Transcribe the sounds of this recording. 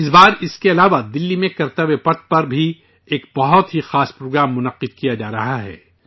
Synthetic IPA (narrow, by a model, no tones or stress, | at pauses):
ɪsbaːɾɪskeɐlaːʋad̪ɪlːimẽkɐɾt̪əʋepɐɾt̪̚pɐɾbʱi | eːkbɐɦʊt̪ɦixaːspɾoːɡɾaːmːʊnɐqːɪd̪̚kijad͡ʒaːɾɐɦaɦɛ̰ː